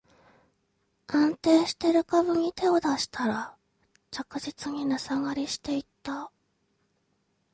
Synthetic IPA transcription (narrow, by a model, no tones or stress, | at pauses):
ãnt̪e̞ːɕi̥t̪e̞ɾɯ̟kaβɯ̟ɲ̟it̪e̞o̞d̪aɕi̥t̪ʰaɾa | t͡ɕakɯ̟ʑit͡sɨɲ̟inasaɡaɾʲiɕi̥t̪e̞it̪ːa